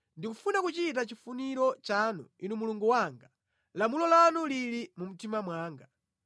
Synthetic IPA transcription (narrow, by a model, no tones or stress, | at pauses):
ndikufunakut͡ʃit̬at͡ʃifuniɾɔt͡ʃanṵinumuluŋɡuwaŋɡa | lamulɔlanuliɾimum̩timamwaːŋɡa